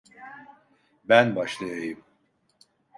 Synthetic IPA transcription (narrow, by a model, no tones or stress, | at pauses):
bænbɑʃlˠajajɯm